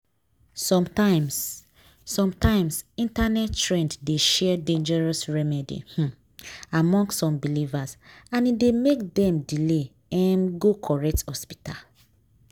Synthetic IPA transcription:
sɔ̃mtãɪ̃ms | sɔ̃mtãɪ̃msĩntanɛttɹɛ̃nddeʃɛdẽnd͡ʒɛɹɔsɹɛmɛdḭh̩ | amɔ̃ŋɡssɔ̃mbilivasãnidemekdɛ̃mdile | ɛnɡokʰɔɹɛk̚thɔspi̥ta̰l

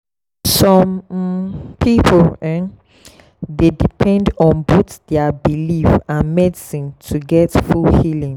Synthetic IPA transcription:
sɔ̃m | pʰipʰlɛ̃ | dedipʰɛ̃ndɔ̃nbotdɛabilifãnmɛdisĩntʰuɡɛtfulhilĩŋ

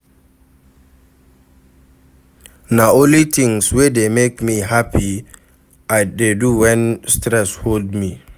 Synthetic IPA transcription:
naõlitʰĩŋswedemekmiɦapʰi | ajdeduwɛ̃nstɾɛsholdmi

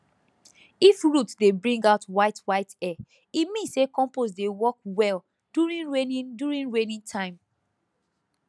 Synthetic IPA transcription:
ifɹutdebɹĩŋɡaʊtwaɪtwaɪtɛ | imĩnsekɔ̃mpos̬dewɔk̚wɛl | duɹĩnɹenĩduɹĩnɹenĩntʰãɪ̃m

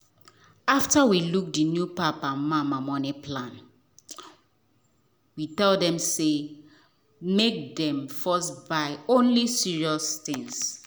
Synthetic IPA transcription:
aftawiluk̚dinjupapãnmãmamɔnipʰlãn | witɛldɛ̃mse | mek̚dɛ̃mfɔsbaɪõnlisiɹiɔstĩŋs

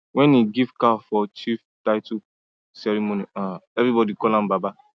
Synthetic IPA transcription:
wɛ̃niɡivkafɔt͡ʃif | taɪtu | sɛɹimoniaɛvɹibɔdikɔlãmbaba

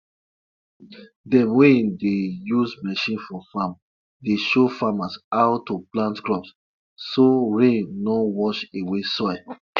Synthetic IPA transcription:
dɛ̃mwẽndejuzmɛʃĩnfɔfam | deʃofamasaʊtːoplãntkɹɔps | soɹẽnnɔwɔʃewesɔj

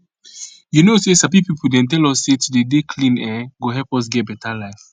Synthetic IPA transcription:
junosesapipipʰudɛ̃nt̬ɛlɔsːetudedekʰlĩnɛɡoɦɛlpɔs̬ɡɛt̚bɛtʰalaɪf

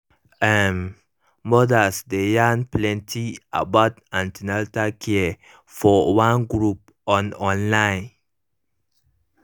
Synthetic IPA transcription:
ɛm | mːɔdasdejanplɛ̃ntʰia̰baʊtãntinaltakʰiə | fɔwãnɡɹup̚ | ɔ̃nɔ̃nlãɪ̃n

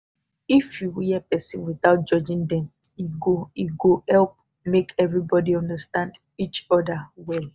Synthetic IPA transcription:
ifjuwijɛpɛsĩnwiθaʊt̚d͡ʒɔd͡ʒĩŋdɛ̃miɡoiɡohɛlp̚ | mekʰɛvɹibɔdiɔ̃ndastãnd | it͡ʃɔdawɛl

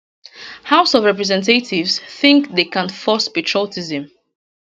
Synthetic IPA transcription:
haʊsɔvɹɛpɹɛzɛ̃ntetivsθɪ̃ŋkðekãnfɔspɛtʰɹɔtizə̃m

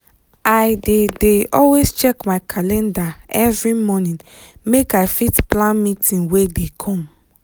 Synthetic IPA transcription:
aɪdedeɔlwest͡ʃɛkmaɪkʰalɛ̃ndaɛvɹimɔnĩn | mekaɪfitplãnmitĩnwedekʰɔ̃m

